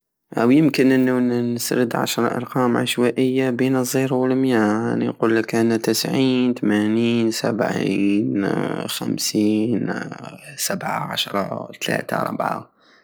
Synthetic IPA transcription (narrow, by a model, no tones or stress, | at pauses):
ʔwjɪmkɪnʔɪnːunnɪsɾɪd̪ʕa̰ʃɾˤɑ̰ʔɑ̰ɾˤqɑːmʕa̰ʃwaːʔɪjːabeːnɨzˤːiːɾwɪlmjaanːḭnquːlːakʔanːat̪ɪsʕiːnt̪amaniːnsa̰bʕiːnxa̰msiːn | sabʕa̰ʕa̰ʃɾˤɑt̪ala̰ːt̪aɾˤɑbʕa̰